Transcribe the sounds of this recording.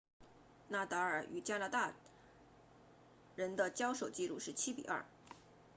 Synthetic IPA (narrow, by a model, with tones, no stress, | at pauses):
na˥˩t̪ɤ˧˥ə˞˨˩y˨˩t͡ɕja˥na˧˥t̪a˥˩ | ɻə˧˥nd̪ə˧t͡ɕjɑ˥ʊʂo˨˩ʊt͡ɕi˥˧lu˥˧ʂɻ̩˥˩t͡ɕʰi˥pḭ˨˩ʔɐ̰˞˥˩